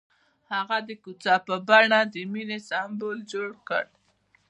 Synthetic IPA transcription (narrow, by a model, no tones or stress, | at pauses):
haɣad̪əkut͡sapəbaɳad̪əminesambold͡ʒoɽkə̰ɽ